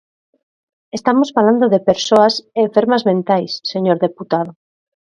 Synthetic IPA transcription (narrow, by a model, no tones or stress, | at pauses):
est̪amosfaland̪oðepeɾsoaseːɱfeɾmazmẽnt̪ajsːeɲoɾðeput̪að̞o